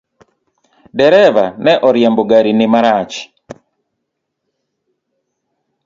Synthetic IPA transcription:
dɛɾɛvanɛʔɔɾjɛmboɡaɾinɪmaɾat͡ʃ

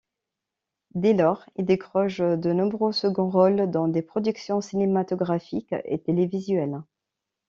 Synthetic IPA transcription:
d̪elɔʁild̪ekχɔʃd̪ənɔ̃bʁøsəɡɔ̃ʁɔld̪ɑ̃d̪epχɔd̪yksjɔ̃sinemat̪ɔɡʁafikḛt̪elevizɥɛl

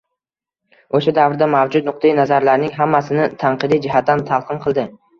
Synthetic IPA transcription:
oʃad̪avɾɪd̪amavd͡ʒʊt̪̚nʊq̚t̪ʰajinazaɾlaɾnɪŋɦamːasɪnɪt̪ʰaɴqɨd̪ijd͡ʒɪɦat̪ːant̪ʰalˠqʰɨnqʰɨlˠd̪ɪ

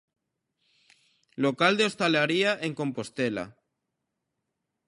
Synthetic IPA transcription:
lokald̪eo̞st̪alaɾiaʔeŋko̞mpost̪ela̰

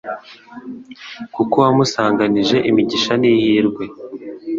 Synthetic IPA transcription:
kukowamusaːŋɡaniʒe̞ʔimiɟiʃanihiːɾɡwe̞

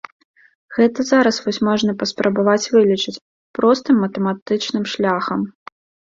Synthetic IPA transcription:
ɣɛt̪ɐzaɾɐsvɔsʲmɔʐnɐpɐspɾɐbavat͡sʲvɨlʲit͡ʂɨt͡sʲ | pɾɔst̪ɨmːɐt̪ɛmat̪ɨt͡ʂnɨmʂlʲaxɐm

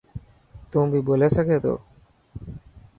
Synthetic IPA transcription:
t̪umbibolesaɡed̪o̰

